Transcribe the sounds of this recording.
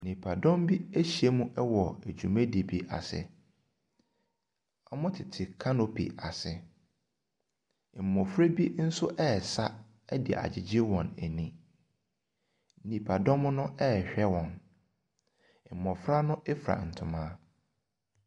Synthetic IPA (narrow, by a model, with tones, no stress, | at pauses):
nĩ˨pʰa˨dɔ̃˦mbi˦æ˦ɕi˨e˦mũ˦ʔɛ˦wɔ˨æ˨d͡ʑᶣu˨mæ̃˦di˨bi˨ʔa̰˨sɪ̰˨ | ɔ˦mʊ̃˦tʰɪ˨tʰɪ˨kʰa˦no˨pʰḭ˨a˨sɪ˨ | m̩˨mɔ̃˨fɾe˦bi˦n̩˦sʊ˦ʔɛ˦˨sa˦ | ɛ˦dɪ˨ɪ̰˨ʔa̰˨d͡ʑɪ˨d͡ʑɪ˦wɔ̃˨næ˨nĩ˨ | nĩ˨pʰa˨dɔ̃˦mʊ̃˦nʊ̃˦ʔɛ˦˨ɕᶣɛ˦wɔ̃˨n˨ | mɔ̃˨fɾa˦nʊ̃˦ʔɛ˦fɾa̰˨n̩˨tʰʊ̃˨mãː˦